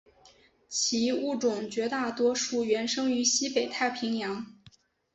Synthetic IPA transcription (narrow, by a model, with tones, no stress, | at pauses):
t͡ɕʰi˧˥u˥˩ʈ͡ʂʊ˨˩ŋt͡ɕɥɛ˧˥t̪a˥˩t̪wɔ˥ʂu˥˩ɥɛ˧˥nʂɤ˥ŋy˧˥ɕi˥pe˨˩ɪt̪ʰa˥˩ɪpʰi˧˥ŋjɑ˧˥ŋ